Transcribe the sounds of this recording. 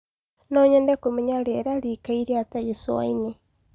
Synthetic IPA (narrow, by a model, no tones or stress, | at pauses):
nɔɲɛndɛkomɛɲaɾɛɾaɾikaiɾeatajɛsowa̰ine